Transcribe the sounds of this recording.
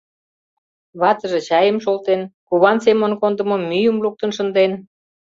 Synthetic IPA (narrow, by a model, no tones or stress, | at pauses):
βɑt̪ə̆ʒet͡ɕɑjəmʃolˠt̪enkuβɑnsemənkond̪ə̆momːyjəmluk̚t̪ənʃə̆nd̪en